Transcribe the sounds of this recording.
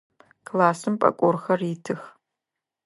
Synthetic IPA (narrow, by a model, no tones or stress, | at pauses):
kʰlaːsɨmpʼɐ̰kʷʼɔrxɐritʰɨx